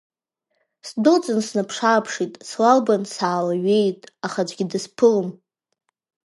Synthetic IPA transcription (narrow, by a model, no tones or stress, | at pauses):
sdot͡sʼɨnsnapʰʂapʰʂitʼslalbansaːlaɥe̞jtʼaχad͡ʒʷɡʲidɨspʰɨlɨm